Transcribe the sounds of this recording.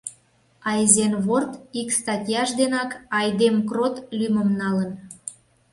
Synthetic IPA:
ɑzenβort̪ikst̪ɑtʲjɑʃd̪enɑkɑjd̪emkrot̪lʲymə̆mnɑlən

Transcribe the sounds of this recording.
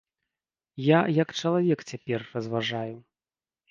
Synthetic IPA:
jajɐkt͡ʂɐlˠavʲɛkt͡sʲapʲɛrːɐzvaʐaju

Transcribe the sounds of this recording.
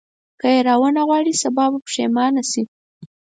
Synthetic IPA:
kəjeɾɑwənaɣwɑɽisabɑbapə̥ʃemɑnasi

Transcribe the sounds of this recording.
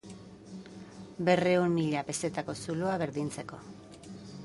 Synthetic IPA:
be̞re̞umːiʎape̞se̞t̪ako̞suluaβe̞ɾðint͡se̞ko̞

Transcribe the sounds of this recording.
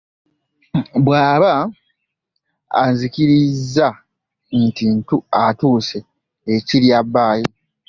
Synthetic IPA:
bwaːβa | nziciɾizːa | ntintuatuːseː | ciɾjabːaːjo

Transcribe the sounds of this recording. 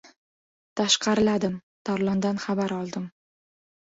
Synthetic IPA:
t̪ʰaʃqʰɑɾɪlad̪ɪm | t̪ʰaɾlˠɒnd̪anχabaɾɒlˠd̪ɪm

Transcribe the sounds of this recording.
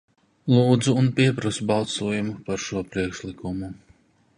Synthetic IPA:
lˠuːd̪zuːnpiɛpɾasubɑlˠsuɔjumupaɾʃuɔpɾiɛkʃlˠikumu

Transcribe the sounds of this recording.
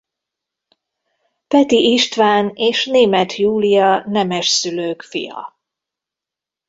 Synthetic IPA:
pɛt̪iʔiʃt̪ʋaːneːʃneːmɛt̪ʰjuːlijɒnɛmɛʃsyløːkfḭjɒ̰

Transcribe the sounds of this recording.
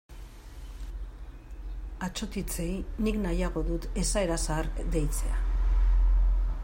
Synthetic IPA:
at͡ʃo̞t̪it͡se̞jniknajaɣ̞o̞ðut̪e̞saeɾasaɾd̪e̞jt͡se̞̰a̰

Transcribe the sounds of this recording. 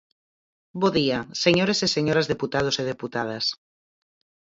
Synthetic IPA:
boðiaseɲoɾeseseɲoɾazðeput̪að̞oseð̞eput̪að̞as

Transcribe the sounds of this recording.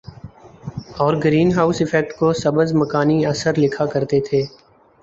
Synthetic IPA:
ɔːɾɡɾiːnɦaːʊsɪfɛk̚ʈkosɐbəzmɐkaːniɐsəɾlɪkʰakɐɾt̪et̪ʰeː

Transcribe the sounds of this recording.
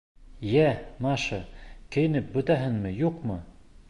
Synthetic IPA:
jæmɑʃɤkɘ̆jɘ̆nɘp̚bɵ̆t̪æɦɘŋmɘjuqmɤ

